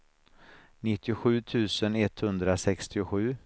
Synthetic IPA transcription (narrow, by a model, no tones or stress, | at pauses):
nɪt̪ʰːɪʊɧʉ̟ːt̪ʰʉ̟ːsənɛt̪hɵnd̪ɾasɛkst̪ɪʊɧʉ̟ː